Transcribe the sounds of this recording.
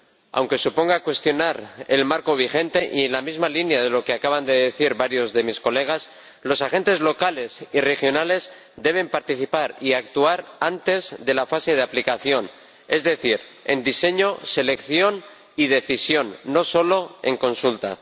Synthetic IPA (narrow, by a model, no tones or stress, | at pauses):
a̰wŋke̞supo̞ŋɡakwe̞st̪jo̞naɾelmaɾko̞β̞ixe̞nt̪e̞ʔienlamizmalinjaðe̞lo̞ke̞akaβand̪e̞ðeθiɾβaɾjo̞zðe̞misko̞le̞ɣ̞as | lo̞saxe̞nt̪e̞zlo̞kale̞sire̞xjo̞nale̞z | d̪e̞β̞e̞mpaɾt̪iθipaɾiak̚t̪uaɾant̪e̞zðe̞lafase̞ð̞eaplikaθjo̞n | e̞zðe̞θiɾe̞̰nd̪ise̞ɲo̞se̞le̞kθjo̞n | ið̞e̞θisjo̞nːo̞so̞lo̞e̞̰ŋko̞nsult̪a̰